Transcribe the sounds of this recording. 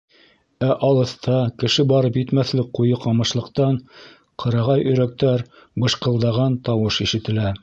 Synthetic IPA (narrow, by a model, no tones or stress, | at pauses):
æʔɑlˠɤ̆θt̪ɑkɘ̆ʃɘbɑɾɤpjɘ̆t̪mæθlɘk̚qːujɤqɑmɤ̆ʃlˠɤ̆qt̪ɑn | qʰɤ̆ɾɑʁɑjɵ̆ɾæk̚t̪æɾ | bɤ̆ʃqɤ̆lˠd̪ɑʁɑnt̪ɑwɤʃiʃɘ̆t̪ɘ̆læ